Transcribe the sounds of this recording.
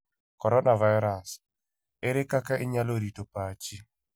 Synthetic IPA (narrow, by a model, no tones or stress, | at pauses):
kɔɾɔnavajɾas | ɪɾɪkakaʔɪɲaloɾitopat͡ʃi